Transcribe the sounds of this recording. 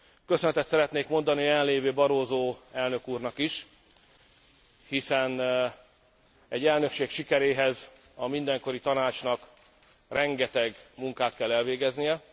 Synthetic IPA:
kø̞sønɛt̪ɛt̪sɛɾɛt̪neːkmo̞nd̪ɒniɛlːeːvøːbɒɾoːzoːɛlnø̞kuːrnɒkiʃ | hisɛn | ɛɟːɛlnø̞kʃeːkʃikɛɾeːɦɛz | ɒmind̪ɛŋko̞ɾit̪ɒnaːt͡ʃnɒk | rɛŋɡɛt̪ɛɡmuŋkaːt̪kɛlːɛlveːɡɛznijɛ

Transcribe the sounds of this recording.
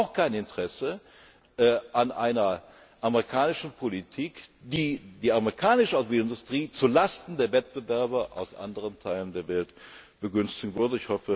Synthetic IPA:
ʊxkʰaɪnɪntəʁ̥ɛsə | ʔɛʔanʔa̰ɪnɐ | ʔameʁikʰaːnɪʃn̩pʰolitʰiːkd̥iːd̥iːaməʁikʰaːnɪʃəaʊtviːlɪndʊstʁ̥iːt͡suːɐlastn̩deːɐvɛt̚b̥əvɛɐbɐʔa̰ʊsʔa̰ndəʁəntʰaɪləndeːɐvɛlt | b̥əɡʏnstɪɡŋ̩vʏɐdəɪçhɔfə

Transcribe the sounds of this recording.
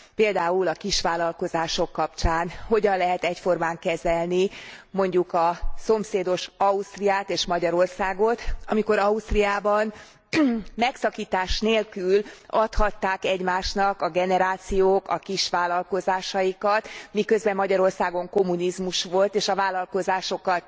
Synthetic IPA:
peːld̪aːulɒkiʃʋaːlɒlko̞zaːʃo̞kːɒpt͡ʃaːnho̞ɟɒnlɛɦɛt̪ɛcfo̞rmaːŋkɛzɛlnimo̞ɲɟukɒso̞mseːd̪o̞ʃɒust̪rijaːt̪eːʃmɒɟɒɾo̞rsaːɡo̞t̪ɒmiko̞ɾɒust̪riaːbɒn | mɛksɒkiːt̪aːʃneːlkylɒt̪hɒt̪ːaːkɛɟmaːʃnɒkɒɡɛnɛɾaːt̪sijoːkɒ̰kiʃʋaːlɒlko̞zaːʃɒjikɒt̪mikøzbɛmːɒɟɒɾo̞rsaːɡo̞ŋko̞mːunizmuʃʋo̞lt̪eːʃɒvaːlɒlko̞zaːʃo̞kɒt̪

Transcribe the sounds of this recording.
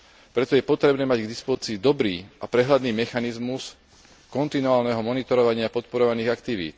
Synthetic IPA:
pɾɛt̪ɔjɛpɔt̪ɾɛbnɛːmaɟɡd̪ispɔzit͡siːd̪ɔbɾiːapɾɛɦlad̪niːmɛxanizmus | kɔnt̪inuaːlnɛɦɔmɔnit̪ɔɾɔʋaɲɪapɔt̪pɔɾɔʋaniːɣakt̪iʋḭːt̪

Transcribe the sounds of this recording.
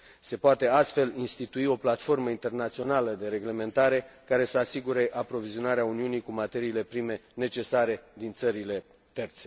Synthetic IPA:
se̞poat̪e̞ast̪fe̞linst̪it̪uio̞plat̪fo̞rməint̪e̞rnat̪sio̞naləd̪e̞ɾe̞ɡle̞mẽ̞nt̪aɾe̞kaɾe̞səasiɡuɾe̞ʔapɾo̞vizio̞naɾeauniunikumat̪e̞ɾiːle̞pɾime̞ne̞t͡ʃe̞saɾe̞d̪int̪səɾile̞ | t̪e̞rt̪se̞

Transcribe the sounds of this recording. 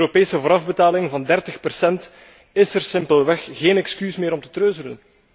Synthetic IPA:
øɾopeːsəvoːɾɑvbətaːlɪŋvɑndɛrtəxpərsɛnt | ɪsərsɪmpəlˠʋɛxɣeːnɛkskysmɪːɾɔmtə̥trøːzələn

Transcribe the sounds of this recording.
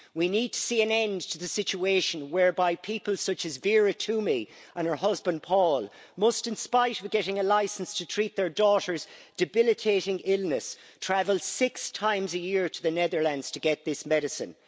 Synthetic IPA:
winid̚tʰə̥siːə̃nɛ̃ntʰəðəsɪt͡ʃueɪʃə̃nwɛɹbaɪpʰipəlˠsʌt͡ʃɨzvɪɹətʰumiə̃nə˞ɦʌzbə̃npʰɔːlˠ | mʊstɪ̃nspaɪɾʌvɡɛɾɪ̃ŋəlaɪsn̩stʰətʰɹ̥it̪̚ðə˞dɔɾə˞zd̥ɨbɪlɨtʰeɪɾɪ̃ŋɪlˠnəstʰɹ̥avəlˠsɪkstʰãɪ̃mzəjɪɹɾəðənɛðə˞lãndz̥tʰəɡɛt̪̚ðɪsmɛɾɨsə̰̃n

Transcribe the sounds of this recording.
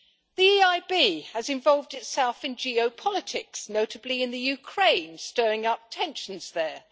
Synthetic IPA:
ðiiaɪbiɨzɨ̃ɱvɑlˠvdɨtsɛlˠfɨ̃nd͡ʒioʊpʰɑlˠətʰɪksnoʊɾɨbliɨ̃nðɨjʉkʰɹ̥ẽɪ̃nstɜɹɪ̃ŋʌp̚tʰɛ̃nʃn̩z̥ðə˞

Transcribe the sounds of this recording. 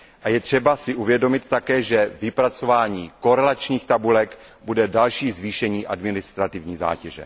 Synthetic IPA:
ʔajɛt̪r̝̥ɛbasɪʔuvjɛdo̞mɪt̪ːakɛːʒɛvɪpɾat͡so̞vaːɲiːko̞ɾɛlat͡ʃɲiːxt̪abulɛk | budɛdalʃiːzviːʃɛɲiːʔadmɪnɪst̪ɾat̪ɪvɲiːza̰ːcɛʒɛ̰

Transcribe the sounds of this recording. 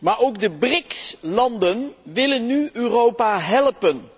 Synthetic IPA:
maːɹʔowɡ̚dəbrɪkslɑndənʋɪlənːyøːrowpaːɦɛlpən

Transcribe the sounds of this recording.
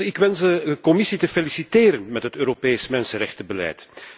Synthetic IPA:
ɪkʋɛnsdəəkɔmɪsitəfelisiteːɾənmɛtɦətøːɾopeːsmɛnsənrɛxtəbəlɛ̰jt

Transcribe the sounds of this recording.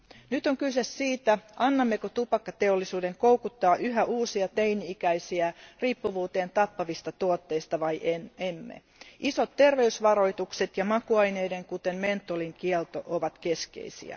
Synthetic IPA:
nyt̪oŋkysesːiːt̪æʔɑnːɑmːekot̪upɑkːɑt̪eolːisuːde̞ŋkowkut̪ːɑːʔyɦæʔuːsiɑt̪ejniikæisiæriːpːuʋuːt̪e̞ːnt̪ɑpːɑʋist̪ɑt̪uot̪ːe̞ist̪ɑʋɑjʔenemːḛ | ʔiso̞t̪tːe̞rʋe̞ysʋɑɾo̞jt̪ukset̪jɑmɑkuɑjne̞jde̞ŋkut̪emme̞nt̪ːˑoliŋkiɛlt̪oʔoʋɑt̪ke̞skḛisḭæ̰

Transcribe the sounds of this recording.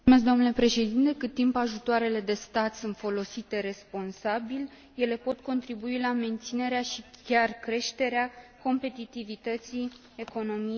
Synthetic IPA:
mes̬k̬d̪oanule̞pɾe̞ʃe̞d̪int̪e̞kɨt̪ːimpaʒut̪oaɾe̞le̞d̪e̞st̪at̪sunt̪fo̞lo̞sit̪e̞ɾe̞spo̞nsabil | je̞le̞po̞t̪ko̞nt̪ɾibuilame̞nt̪sine̞ɾeaʃikʲarkɾe̞ʃt̪e̞ɾeako̞mpe̞t̪it̪ivit̪ət̪si | e̞ko̞no̞mi

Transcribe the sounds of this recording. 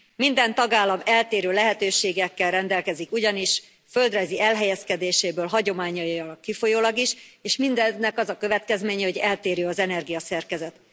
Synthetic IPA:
mind̪ɛnt̪ɒɡaːlːɒmɛlt̪eːɾøːlɛɦɛt̪øːʃeːɡɛkːɛlrɛnd̪ɛlkɛzikuɟɒniʃ | fø̞ld̪rɒjziʔɛlɦɛjɛskɛd̪eːʃeːbøːlɦɒɟo̞maːɲɒjɒkːifo̞joːlɒɡiʃeːʃmind̪ɛnːɛkɒzɒkø̞vɛt̪kɛzmeːɲɛho̞ɟɛlt̪eːɾjøːɒzɛnɛrɡijɒsɛrkɛzɛt̪

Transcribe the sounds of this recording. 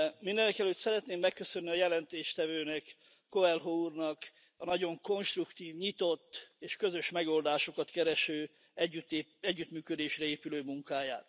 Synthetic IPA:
mind̪ɛnɛkɛløːt̪sɛɾɛt̪neːmːɛkːøsønːiɒjɛlɛnt̪eːʃt̪ɛvøːnɛkː | oɛlɦournɒk | ɒnɒɟo̞ŋko̞nʃt̪rukt̪iːvɲit̪o̞t̪ːeːʃkø̞zø̞ʃmɛɡo̞ld̪aːʃo̞kɒt̪kɛɾɛʃøː | yt̪ːɛɟːyt̪myːkød̪eːʃrɛeːpyløːmuŋkaːjaːt̪

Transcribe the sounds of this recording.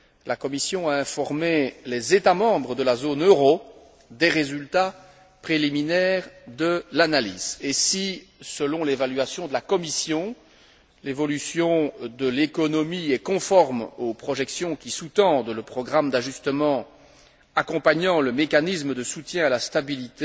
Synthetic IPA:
lakɔmisjɔ̃aɛ̃fɔʁmelɛzet̪amɑ̃bʁəd̪əlazonøʁo | d̪ɛʁezylt̪a | pχeliminɛːʁd̪əlanalḭzesisəlɔ̃levalɥasjɔ̃d̪əlakɔmisjɔ̃ | levɔlysjɔ̃d̪əlekɔnɔmiɛkɔ̃fɔʁmopχɔʒɛksjɔ̃kʲisut̪ɑ̃d̪ləpχɔɡʁamd̪aʒyst̪əmɑ̃ | akɔ̃paɲɑ̃ləmekanisməd̪əsut̪jɛ̃alast̪abilit̪e

